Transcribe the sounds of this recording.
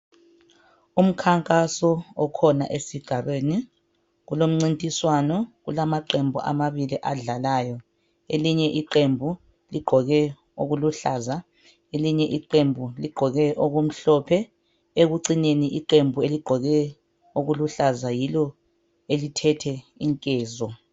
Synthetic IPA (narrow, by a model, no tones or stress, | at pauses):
um̩kʰaŋkʼasɔɔkʰɔna̰ʔesiɡ̥ʱaβeːni | ɣulom̩ŋ͡ǀintʼiswanɔɣulamaǃembʱṵʔa̰maβiliʔaɮalaːjɔ | eliɲɛʔiǃembʱu | liɡ͡ǃʱɔɣɛ | oɣuluɬaːza | eliɲɛʔiǃembʱuliɡ͡ǃʱɔɣɛʔoɣum̩ɬɔpʰɛ | eɣuǀineniʔiǃembʱueliɡ͡ǃ̥ʱɔɣɛ | oɣuluɬazajilɔ | elitʰɛtʰɛ | iŋkʼɛːzɔ